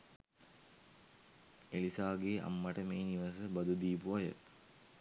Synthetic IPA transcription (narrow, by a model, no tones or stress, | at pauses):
eɭisaːɡeːʔɐ̰mːɐʈəmeːniʋɐsəbɐd̪ud̪iːpuʋɐjə̰